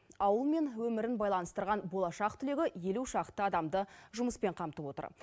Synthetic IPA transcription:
ɑwəlˠme̞nwɵmɪɾɪnbɑjlˠɑnəst̪əɾʁɑnbo̞lˠɑʃɑqt̪ʰʏle̞ɡʲɪje̞luʃɑqt̪ːəɑd̪ɑmd̪əʒʊməspe̞ɴqʰɑmt̪əpwo̞t̪ə̰ɾ

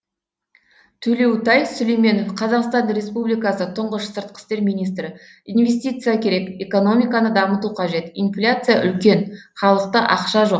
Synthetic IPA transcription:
t̪ʰɵle̞wt̪ɑjsɵlejme̞no̞fqʰɑzɑqst̪ɑnɾʲe̞spublijkasət̪ʰʊɴʁəʃsəɾt̪̚qə̥st̪e̞ɾmijnijst̪ɾɪ | inve̞s̬ʲt̪ijt̪sɨjakʲʰe̞ɾe̞ke̞ko̞no̞mʲijkanəd̪ɑmət̪uqʰɑʒe̞t̪inflʲat̪sɨjaʔʏlkʲe̞nχɑlˠəq̚t̪əʔɑqʃɑʒo̞q

